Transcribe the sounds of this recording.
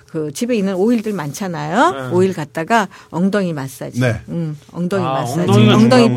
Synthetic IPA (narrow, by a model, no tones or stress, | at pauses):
kɯt͡ɕibe̞inɯnoiɭdɯɭmant͡ɕʰanajooiɭkat̚t͈aɡaʌŋdʌŋimas͈ad͡ʑieɯmʌŋdʌŋimas͈aiʌŋdʌŋi